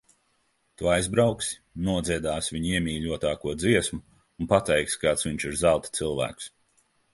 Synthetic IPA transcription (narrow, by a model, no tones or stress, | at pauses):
t̪uajzbɾawksi̥nuɔd̪zʲiɛd̪aːsvʲiɲiɛmʲiːʎʲuɔt̪aːkuɔd̪ziɛsmuː | npat̪ɛjkskaːt̪sviɲt͡ʃiɾzalˠt̪t̪sɨlˠvæ̰ːks